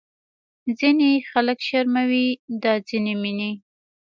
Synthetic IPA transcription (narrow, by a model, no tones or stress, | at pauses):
zinexaləkʃaɾmawid̪ɑzinemine